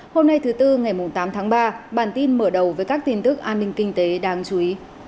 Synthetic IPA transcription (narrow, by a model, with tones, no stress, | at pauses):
ho˧mna˧jt̪ʰɨ˨˦t̪ɨ˧ŋa˨˩jmʊ˨˩ŋ͡mt̪aː˨˦mt̪ʰaː˨˦ŋɓaː˧ɓaː˧˩nt̪i˧nməː˧˩ɗə˨˩wvəː˨˦jkaː˦˥k̚t̪i˧nt̪ɨ˦˥k̚ʔaː˧nːï˧ŋ̟kï˧ŋ̟t̪e˨˦ɗaː˧ŋt͡ɕu˨˦ʔi˨˦